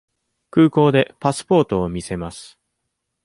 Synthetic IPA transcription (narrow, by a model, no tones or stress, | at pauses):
kɯːko̞ːd̪e̞pasɨ̥po̞ːt̪o̞ːmʲise̞masɨ̥